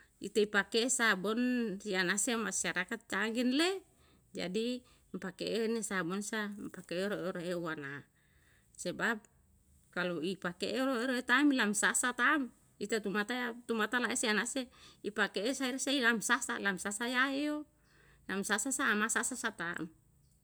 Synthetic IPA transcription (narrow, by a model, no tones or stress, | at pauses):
ḭt̪eipakesabɔnsianasemasaɾakat̪̚t͡ʃaɡinle | d͡ʒa̰di | mpakeʔenesabɔnsampakeɾoɾoɦeuwana | sebap̚ | kaluipakeʔeɾoeɾoet̪amilamsasat̪am | it̪at̪umat̪aat̪umat̪alaʔesianaseipakeʔːsaiɾasailamsasa̰lamsasajaejo | lamsasasaːmasasasat̪a̰m